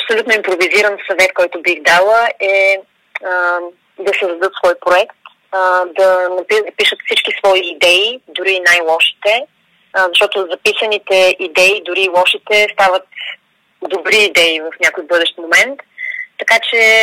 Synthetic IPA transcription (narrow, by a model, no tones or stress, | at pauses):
ɐpsolut̪noimpɾoviziɾənsɐvɛt̪kɔjt̪ʊbixd̪alˠəʔɛ | ə | d̪ɐsɛzɐd̪ɤt̪svɔjpɾoɛkt̪ | d̪ɐnɐpid̪ɐpiʃət̪fsit͡ʃkisvɔiːd̪ɛid̪ʊɾinajlˠɔʃi̥t̪ɛ | zɐʃt̪ɔt̪ozɐpisənit̪ɛʔid̪ɛid̪ʊɾilˠɔʃit̪ɛst̪avət̪ | d̪obɾiːd̪ɛivəfnʲjakojbɤd̪ɛʃt̪momɛnt̪ːɐkat͡ʃɛ